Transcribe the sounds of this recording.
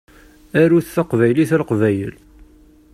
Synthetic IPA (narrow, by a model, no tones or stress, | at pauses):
æɾuθθɑqvæjliθælqvæjə̰l